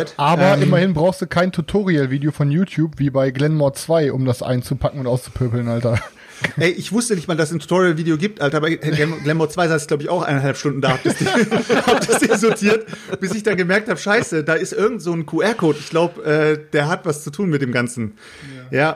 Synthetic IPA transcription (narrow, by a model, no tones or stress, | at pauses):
tʔaːbɐʔɪmɐhɪnbʁaʊxstd̥uːkʰaɪntʰutʰoːʁialviːdeofɔnjuːtʰjuːpviːbaɪɡlɛnmɔt͡sv̥aɪʔʊmdasʔa̰ɪnt͡supʰakŋ̩ʊntʔaʊst͡su̥pʰøɐpl̩nʔaltɐ | ʔɛɪʔɪçv̥ʊstənɪçtmaːldasɪntʰu̥tʰoːʁialviːdeoɡiːp̚tʔaltɐbaɪɛɡlɛnmɔɐt͡sv̥aɪzaːɪslaʊbəɪçʔaʊxʔa̰ɪnɐnhalpʃtʊndn̩daːhap̚d̥ɪsd̥hap̚d̥açd̥ɪzotʰiːɐtb̥ɪsɪçd̥anɡəmɛɐk̚thaːbəʃaɪsədaːɪstʔɪɐɡŋ̩tz̥oːnkʰuʔɛːɐkʰoːtɪçɡ̥laʊbəʔɛːd̥eːɐɦatv̥ast͡sutʰuːnmɪt̚d̥eːmɡant͡sn̩ | jaː